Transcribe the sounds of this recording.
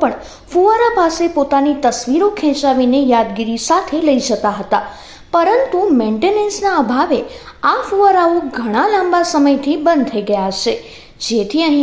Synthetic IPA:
pəɳ | fuəɾapasepot̪anit̪əsʋiɾokʰɛ̃t͡ʃaʋinejad̪ɡiɾisat̪ʰeləid͡ʒət̪aɦət̪a | pəɾənt̪umẽɳʈenẽnsnaəbʱaʋe | afuəɾaoɡʱəɽ̃alãmbasəməjt̪ʰibə̃nd̪̚t̪ʰəiɡəjat͡ʃʰe | d͡ʒet̪ʰiəɦĩ

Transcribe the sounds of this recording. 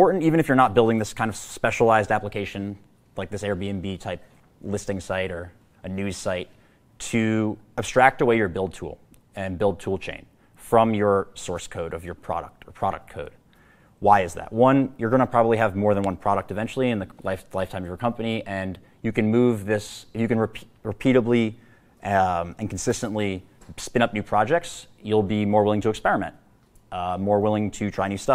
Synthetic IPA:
ɔɹʔn̩tivɨ̃ñɨfjə˞nət̚b̥ɪlˠdɪ̃ŋðɪskʰãɪ̃nʌv̥spɛʃəl̩aɪzdæpləkʰeɪʃɨ̃n | laɪk̚ðɪsɛɹbiɨ̃nbitʰaɪp̚ | lɪstɪ̃ŋsaɪɾə˞ | ɨnʉz̥saɪtʰ | ɨɨb̥stɹ̥æk̚təweɪjə˞bɪlˠd̚tʰṵlˠ | ɨ̃nbɪlˠd̚tʰulˠt͡ʃʰḛ̃ɪ̃n | fɹʌ̃mjə˞sɔɹskʰoʊɾʌvjə˞pʰɹ̥ɑ̰ɾə̰k̚tʰə˞pʰɹ̥ɑɾɨ̰k̚tʰoʊd̥̚ | waɪɨzðæ̰t̚wʌ̃njə˞ɡʌñəpʰɹ̥ɑbəbliɨvmɔɹðɨ̃nwʌ̃npʰɹ̥ɑɾək̚tɨvɛ̃nt͡ʃl̩ˠiɨ̃nðɨlaɪflaɪftʰãɪ̃mʌvjə˞kʰʌ̃mpɨniʔɨ̃n | jɨkɨ̃nmuvðɪsɨfjɨkɨ̃nɹɨɹɨpʰiɾəbli | ɨ̃nkn̩sɪstə̃nʔli | spɪ̃ɾ̃ʌp̚nʉpʰɹ̥ɑd͡ʒɛk̚ts | julˠbimɔɹwɪlˠɪ̃ŋtʰɨːkspɛɹɨmɛ̰̃nʔ | mɔɹwɪlˠɪ̃ŋtʰɨtʰɹ̥aɪ̃nʉstʌ

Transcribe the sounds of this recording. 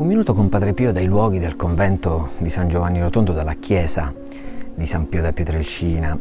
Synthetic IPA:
umːinuːt̪okompad̪ɾepiːod̪ajlwɔːɡ̟id̪elkoɱvɛnt̪od̪isand͡ʒovanːiɾot̪ond̪od̪alːakʰjɛːza | d̪isampiːod̪apːjɛt̪ɾelt͡ʃiːna

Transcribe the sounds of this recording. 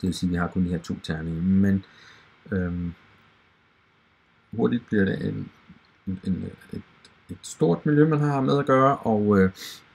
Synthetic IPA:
d̥e̝ʋesiːʋiɦɑ̈kʰɔ̽nd̥iheɐ̰t͡sʰo̝̰ːt͡sʰæɐminmen | øm | ho̝ɐ̰d̥id̥̚b̥liɐɾeʔen | ened̥ | e̝d̥sd̥o̝ɐ̰d̥miljømænɦɑmeðˠæɡ̥ɶːɐʔɒ̽ʊø

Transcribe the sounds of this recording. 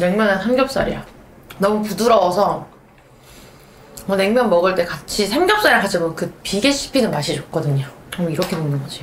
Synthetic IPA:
ne̞ŋmʲjʌnansʰamɡjʌp̚s͈a̰ɾḭja | nʌmupuduɾʌwːsʰʌ | mʌne̞ŋmjʌnmʌɡɯɭt͈e̞kat͡ɕʰisʰemɡjʌp̚s͈aɾiakat͡ɕʰimʌkɯpiɡe̞ɕʰi̥pʰinɯnmaɕʰid͡ʑʌk̚k͈ʌdɯɲoamuiɾʌkʰe̞monɯnɡʌd͡ʑio

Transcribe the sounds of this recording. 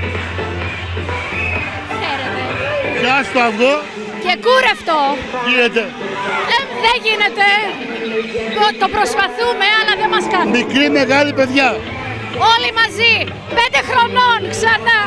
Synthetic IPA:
kseɾet̪e̞sɐst̪oɐvɣo | ce̞kuɾeft̪o̞ʝinet̪e̞ | ðeʝine̞t̪e̞ | ot̪o̞pɾospɐθume̞ɐlɐðemɐskɐnmikɾime̞ɣɐlipe̞ðʝɐ | o̞limɐzi | pend̪e̞xɾo̞no̞nksɐnɐ

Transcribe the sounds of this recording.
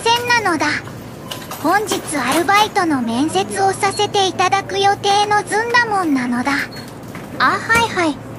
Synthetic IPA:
sẽ̞nːano̞d̪a | hõ̞ɲ̟d͡ʑit͡sɨaɾɯ̟bait̪o̞no̞mẽ̞ɰ̃se̞t͡sɨo̞sase̞t̪e̞it̪ad̪akɯ̟jo̞t̪e̞ːno̞d͡zɨ̃nd̪amõ̞nːano̞d̪a | aːhaihai

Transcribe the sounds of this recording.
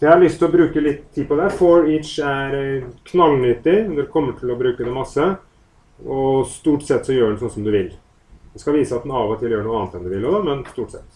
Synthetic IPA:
jæɪhɑɭʏst̪ʰɪlɔbɾʉːkəlɪt̪ʰːiːpʰɔd̪ɛhæɾfɔɹɪtʂæɾkʰnɑlːnʏt̪ːɪnɛkʰɔmːəʈʰɪlɔbɾʉːkəd̪ɛmɑsːə | ɔst̪uːʈsɛt̪ːsɔjøːɖɳsɔnsɔmd̪ʉʋɪl | d̪ɛskɑʋiːsəɑt̪̚d̪ɛnɑːʋɔt̪ʰɪljøːəɳuːɑnət̪ɛnd̪ʉʋɪlɔd̪ɑmɛnst̪uːʈsɛ̰t̪ː

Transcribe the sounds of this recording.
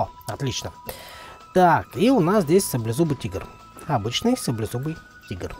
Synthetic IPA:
ɔɐt̪lʲit͡ʃnə | t̪akiʊnasd̪ɛsʲsɐblʲɛzubɨt̪ʲiɡəɾ | ɐbɨt͡ʃnəisɐblʲɛzubɨj | t̪ʲiɡər

